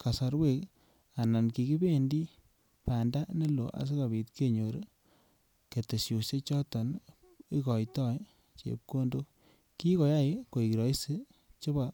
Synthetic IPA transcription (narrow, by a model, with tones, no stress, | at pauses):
ka˨sa˨ɾwe˦k | a˨na˨nki˨ki˦be˦ndi˦ | pa˨nda˦ne˦lo̰˨ʔa̰˨s̬e˦ka˨bi˨tke˦ɲo˨ɾ | ke˨te˨sjo˨se˦t͡ʃɔ˦tɔ˨n | i˦kɔ˨jtɔ˦j | t͡ʃḛ˨p̚ko˦ndo˦ | ki˦ko˨ja˦i˨ko˨i˨ki˨ɾɔ˨˦i˦se˦ | t͡ʃo˦ba˨